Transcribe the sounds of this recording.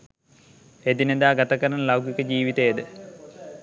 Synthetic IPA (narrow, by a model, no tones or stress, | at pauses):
ed̪ined̪aːɡat̪akəɾanəlawɡikəd͡ʒiːʋit̪ejed̪ə